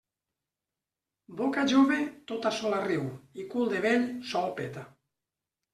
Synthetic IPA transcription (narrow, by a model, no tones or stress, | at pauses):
bokaʒuβet̪ot̪asɔlariwikulˠd̪eβensɔlpet̪a